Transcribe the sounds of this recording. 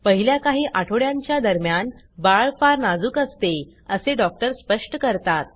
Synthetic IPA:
pəɦiljakaɦiːʔaʈʰoɽjãɲt͡ɕjad̪əɾmjan | baɭfaɾnad͡zuːkəst̪e | əseɖɔk̚ʈəɾspəʂʈəkəɾt̪at̪̚

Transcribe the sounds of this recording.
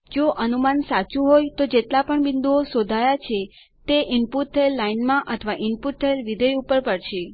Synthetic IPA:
d͡ʒoʔənumansat͡ʃũɦojt̪od͡ʒet̪lapəɳbɪnd̪uosod̪ʱajat͡ʃʰe | t̪eʔɪnpuʈ̚t̪ʰːəelːainmãʔət̪ʰəʋaʔɪnpuʈ̚t̪ʰəelʋid̪ʱəjupəɾpəɾʃʰe

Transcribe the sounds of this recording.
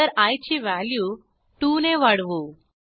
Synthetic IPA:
əɾajt͡ɕiːʋæljuː | ʈuneʋaɽʋu

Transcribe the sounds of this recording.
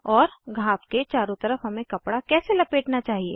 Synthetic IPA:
ɔːɾɡʱaːfket͡ʃaːɾõt̪ɐɾəfɦɐmẽkɐpɽakɛːselɐpeːʈnat͡ʃaːɦiḛː

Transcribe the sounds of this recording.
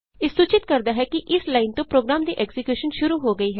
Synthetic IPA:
ɪsːuːt͡ʃɪt̪̚kəɾd̪aːɦɛːkɪʔɪslaːint̪õːpɾoːɡɾaːmd̪iːʔɛːkzɪkjuːʃənʃʊɾuːɦoːɡəiːɦɛː

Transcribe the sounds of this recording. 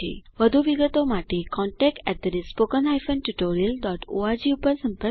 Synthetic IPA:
ḛʋəd̪ʱuʋiɡət̪omaʈekɔ̃ɳʈɛk̚ʈɛ̰ʈ̪̚d̪əɾispokənɦajfənʈuʈoɾiəlɖɔʈoad͡ʑiupəɾsə̃mpə

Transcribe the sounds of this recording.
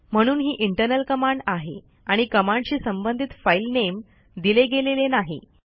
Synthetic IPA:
m̤əɽ̃uːnɦiːʔiɳʈəɾnəlkəmaɳɖaɦḛ | aɽ̃ikəmãɳɖɕiːsəmbənd̪ʱit̪failnem | d̪ileɡelelenaɦḭ

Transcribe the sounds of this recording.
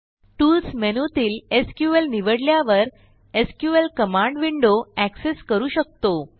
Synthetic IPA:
ʈuːlsmenot̪iːleskjuelniʋəɽljaʋəɾ | eskjuelkəmãɳɖʋiɳɖoækseskəɾuːɕək̚t̪o

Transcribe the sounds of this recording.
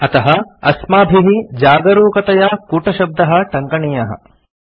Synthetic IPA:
ɐt̪ɐɦɐɐsmaːbʱiɦid͡ʒaːɡɐɾoːkɐt̪ɐjakuːʈɐʃɐb̚d̪ɐɦɐ̆ʈɐŋkɐɳijɐɦɐ̰

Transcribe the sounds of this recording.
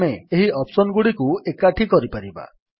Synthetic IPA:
meeɦiʔɔpsɔnɡuɽikuekaʈʰikɔɾipaɾiba̰

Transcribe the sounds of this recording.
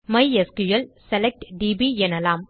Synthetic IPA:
mɐɪɛskʊjɐlsɛlɛk̚ʈɖiːbiɛnɐlaːm

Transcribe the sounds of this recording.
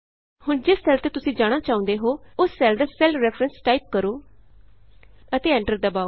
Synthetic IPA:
hʊɳd͡ʒɪsːɛːlt̪eːt̪ʊsĩːd͡ʒaːɽ̃aːt͡ʃaːʊ̃nd̪eːɦoːʊsːɛːld̪aːsɛːlɾɛːfʰɾənsʈaːip̚kəɾoː | ət̪eːɛ̃ːɳʈəɾd̪əbaːo

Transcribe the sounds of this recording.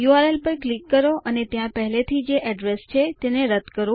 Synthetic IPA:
juaɾelpəɾklikːəɾoʔənet̪jãpəɦɛlet̪ʰid͡ʒeʔɛɖɾest͡ʃʰet̪eneɾəd̪kəɾũ

